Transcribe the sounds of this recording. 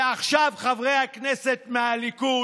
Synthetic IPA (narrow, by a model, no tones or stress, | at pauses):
aχʃavχavʁejhaknese̞tmealiku